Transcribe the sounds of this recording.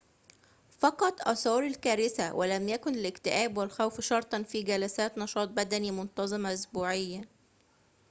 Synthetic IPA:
fɑqɑt̪ˤʔɑ̰sɑːɾˤɪlkæːɾɪsæwʔælæmjækʊnɪlɪkt̪ɪʔæːbwɪlxæwfʃɑɾˤt̪ˤɑnfiːɡælæsæːt̪nɑʃɑːt̪̚ˤbæd̪ænimʊnt̪ɑzˤɨmaʔʊsbuːʕɪjːa

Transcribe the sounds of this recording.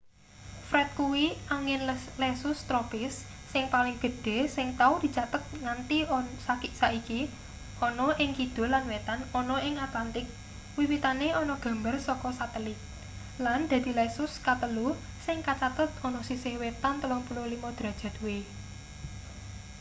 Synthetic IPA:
fɾɛt̪̚kuwiʔaŋɪnlɛsʊst̪ɾɔpɪsː | ɪŋpalɪŋɡ̥ə̤d̪̥e̤sɪŋt̪aud̪̥i̤t͡ʃat̪ət̪̚ŋant̪isakɪʔsaiki | ɔnɔʔɪŋkid̪̥o̤lanwet̪anɔnɔʔɪŋat̪lant̪ɪk̚ | wiwit̪aneɔnɔɡ̥ä̤mbərsɔkɔsat̪əlɪk̚ | land̪̥a̤d̪̥i̤lɛsʊskat̪əlu | sɪŋkat͡ʃat̪ət̪̚ɔnɔsisɪhwet̪ant̪əlɔŋpulolimɔd̪̥ɾa̤d̥ʒ̥a̤t̪uwe

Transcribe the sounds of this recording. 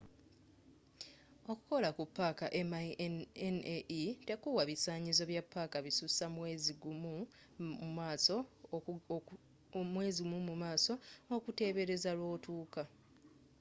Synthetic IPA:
o̞ku̥ko̞lakupːaːkaʔeaeneʔitekuwaβisaːɲizo̞βjapːaːkaβisusamwe̞ːziɡumu | mumaːso | mwe̞ːzimumumaːso̞okute̞ːβe̞ɾe̞zalwo̞ːtuːka

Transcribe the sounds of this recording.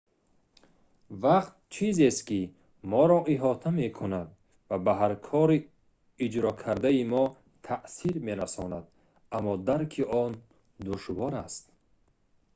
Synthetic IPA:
vaqt̪̚t͡ʃʰizest̪ki | mɔɾɔʔiɦɔt̪ʰame̞kʰunad̪ | vabaɦaɾkʰɔɾiː | d͡ʒɾɔkʰaɾd̪aimɔ | t̪ʰaʔsiɾme̞ɾasɔnad̪ | amːɔd̪aɾkʰiɔn | d̪uʃvɔɾast̪̚

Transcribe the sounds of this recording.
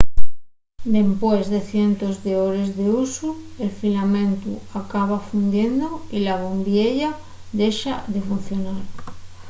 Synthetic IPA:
d̪e̞mpwezðe̞θje̞nt̪ozðeoɾezðeusu | elfilamẽnt̪ṵakaβ̞afund̪jend̪oilaβombjeʎa | ðeʃaðefun̟θjonaɾ

